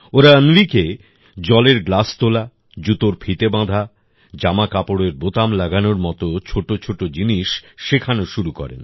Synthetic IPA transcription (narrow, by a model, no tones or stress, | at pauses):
oɾaənʋike | d͡ʑɔleɾɡlast̪ola | d͡ʑut̪oɾpʰit̪ebãd̪ʱa | d͡ʑamakapoɽeɾbot̪amlaɡanoɾmɔt̪ot͡ɕʰoʈot͡ɕʰoʈod͡ʑiniʃʃekʰanoʃuɾukɔ̰ɾḛn